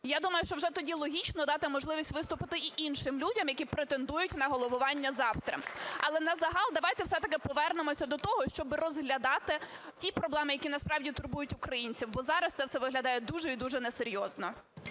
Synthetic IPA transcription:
jad̪umɐjʊʃt͡ʃɔwʒɛt̪ɔdʲilˠɔɦʲit͡ʃnɔd̪ɑt̪ɪmɔʒlˠɪʋʲisʲtʲʋɪst̪ʊpɪt̪ɪiʔinʃɪmlʲudʲɐmjɐkʲipɾet̪end̪ujʊtʲnɐɦɔlˠɔʋʊʋɑnʲːɐzɑwt̪ɾɐ̰mɐlˠɛnɐzɐɦɑlˠd̪ɐʋɑjt̪ɛwsɛt̪ɐkɪpɔʋɛrnɪmɔsʲɐd̪ɔt̪ɔɦɔʃt͡ʃɔbɪɾɔzɦlʲɐd̪ɑt̪ɪtʲipɾɔblˠɛmɪjɐkʲinɐspɾɑwdʲit̪ʊrbujʊtʲʊkɾɐjinʲt͡sʲiwbɔzɑɾɐst̪sɛwsɛʋɪɦlʲɐd̪ɑjɛd̪uʒɛid̪uʒɛnɛseɾʲjɔznɔ

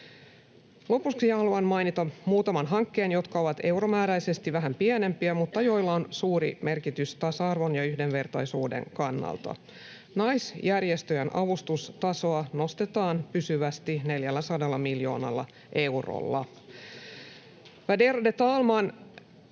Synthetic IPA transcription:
lo̞pusksiɑhɑluɑnmɑjnit̪ɑmuːt̪ɑmɑnɦɑŋkːe̞ːnjo̞t̪kɑo̞ʋɑt̪e̞wro̞mæːɾæise̞st̪iʋæɦæmpiæne̞mpiæmut̪ːɑjo̞jlːɑonsuːɾḭme̞rkit̪yst̪ɑsɑːrʋo̞njɑyhde̞nʋe̞rt̪ɑjsuːde̞̰ŋkɑnːɑ̰lt̪ɑ̰ | nɑjsjærjest̪øjænʔɑʋust̪ust̪ɑso̞ɑno̞st̪et̪ɑːnpysyʋæst̪ine̞ljælːæsɑdɑlːɑmiljo̞̰ːnɑ̰lːɑ̰ | ʔe̞wro̰lːɑ | ʋæderodet̪ɑːlmɑːn

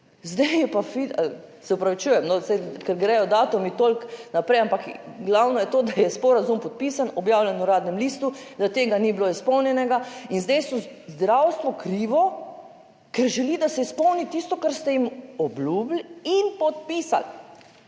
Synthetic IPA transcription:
zd̪ɛjɛpafialsɛupɾaʋit͡ʃujɛmnɔsɛjkɛɾɡɾɛjɔd̪aːt̪umit̪olknapɾɛjampakɡlawnɔjɛt̪oːd̪ajɛspɔɾazumpɔt̪̚piːsanɔbjaːwljɛnuɾaːd̪nɛmliːst̪ud̪at̪eːɡanibloispɔwnjɛnɛɡainzd̪ɛjst̪ɔzd̪ɾawst̪ʋɔkɾiːʋɔ | kɛɾʒɛlid̪asɛispɔwnit̪ist̪ɔkaɾst̪ɛjimɔbluːblinpɔt̪̚piːsa̰l

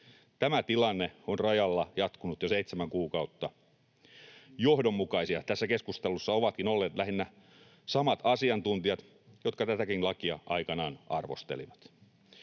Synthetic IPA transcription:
t̪æmæt̪ilɑnːeonrɑjɑlːɑjɑt̪kunut̪joseit̪semæŋkuːkɑut̪ːɑ | johdomːukɑisiɑt̪æsːækeskust̪elusːɑoʋɑt̪kinolːeːt̪læɦinːæ | sɑmɑt̪ɑsiɑnt̪unt̪iɑt̪ | jot̪kɑt̪æt̪ækinlɑkiɑ̰ʔɑikɑnɑːnɑrʋost̪ḛliʋɑt̪

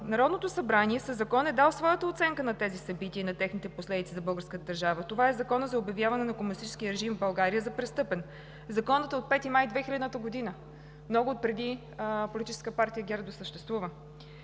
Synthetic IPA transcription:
nɐɾɔd̪not̪osɐbɾaniɛsəzɐkɔnɛd̪alˠsvɔjət̪əot̪sɛŋkənɐt̪ɛzisɐbit̪iəːnɐt̪ɛxnit̪ɛposlɛd̪it̪sizɐbɤlˠɡəɾskət̪əd̪əɾʒavət̪ovaɛzɐkɔnəzɐobjɐvjavɐnɛnɐkomʊnʲist̪it͡ʃɛ̥skʲiəɾɛʒimvbɐlˠɡaɾiəzɐpɾɛst̪ɤpɛn | zɐkɔnət̪ot̪̚pɛt̪imajd̪vɛxilɛd̪nət̪əɡod̪inə | mnɔɡʊot̪̚pɾɛd̪i | polʲit̪it͡ʃɛ̥skəpaɾt̪ijəɡʲɛɾd̪osəʃt̪ɛst̪vuvə

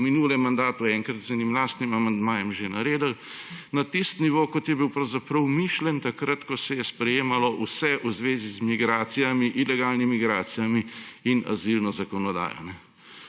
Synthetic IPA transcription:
minuːlɛmand̪aːt̪uɛŋkɾɐt̪zɛnimlaːst̪nimamand̪maːjɛmʒenaɾeːd̪əlnat̪ist̪niʋoːkɔt̪jɛbiwpɾɐwzapɾɐwmiːʃlɛnt̪akɾat̪kɔsɛjɛspɾɛjeːmalɔʔusɛʔuzʋeːzizmiɡɾaːt̪sijamiʔilɛɡaːlnimiɡɾaːt̪sijamiina̰zilnɔzakɔnɔd̪a̰ːjɔ̰nɛ

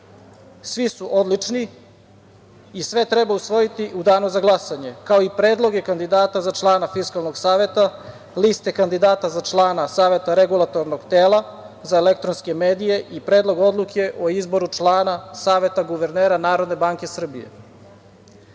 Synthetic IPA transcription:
sʋisuʔo̞d̪lˠit͡ʂni | isʋe̞t̪ɾebausʋo̞jit̪iʔud̪aːnuzaɡlˠasaɲe̞kao̞ipɾe̞ːd̪lˠo̞ɡekand̪id̪aːt̪azat͡ʃlˠaːnafiskalˠno̞ɡsaːʋe̞t̪a | list̪ekand̪id̪aːt̪azat͡ʃlˠaːnasaːʋe̞t̪aɾeɡulˠat̪oɾnoɡt̪eːlˠa | zaele̞k̚t̪ɾonskemeːd̪ije̞ʔipɾe̞ːd̪lˠo̞ɡo̞d̪lˠukʰe̞ʔoizbo̞ɾut͡ʂlˠaːnasaːʋe̞t̪aɡuʋeɾneːɾanaːɾo̞d̪ne̞baŋke̞sr̩bḭjḛ

